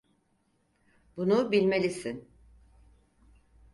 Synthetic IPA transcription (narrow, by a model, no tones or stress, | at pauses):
bunubilʲme̞lʲisin